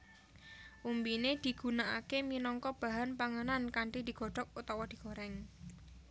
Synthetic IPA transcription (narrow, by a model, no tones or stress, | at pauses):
ʔumbined̪̥i̤ɡ̥unaʔakeminɔŋkɔb̥aɦanpaŋənankaɳʈid̪iɡ̥ɔ̤ɖ̥ɔk̚ut̪ɔwɔd̪̥i̤ɡ̥oɾɛŋ